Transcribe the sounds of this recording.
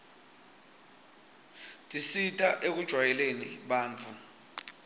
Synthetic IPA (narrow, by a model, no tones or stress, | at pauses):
tʼisitʼaʔek̬ud̥ʒ̥ʱwajɛleniɓaːnt͡fʰu